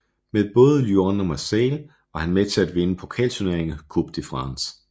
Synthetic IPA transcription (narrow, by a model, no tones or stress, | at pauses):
meed̥̚b̥ɔ̽ːð̞ˠəljonɒmɑ̈sel | ɑɐhænmet͡sʰe̝læd̥ʋe̝nəpʰo̝kʰɛ̰ːlsone̝ɐeŋkʰub̥̚d̥ifʁɑ̈ns